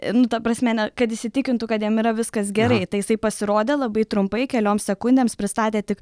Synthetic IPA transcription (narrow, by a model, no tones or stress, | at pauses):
nʊt̪ɐpɾɐsʲmʲɛnʲɛkɐt̪ɪʃʲsʲɪt̪ʲɪkʲɪnt̪ʊkɐt̪jiɛmiɾɐʋʲɪskɐsɡʲɛɾɐɪt̪ɐɪjɪsɐɪpɐsʲɪɾoːd̪ʲeːlˠɐbɐɪt̪ɾʊmpɐɪkʲɛlʲoːmssʲɛkʊnʲd̪ʲeːmspʲɾʲɪst̪ɑːt̪ʲeːt̪ʲɪk